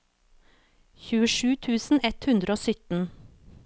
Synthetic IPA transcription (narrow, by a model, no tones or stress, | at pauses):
çʉːəʃʉːt̪ʰʉːsn̩ɛt̪hʉnd̪ɾəoːsʏt̪n̩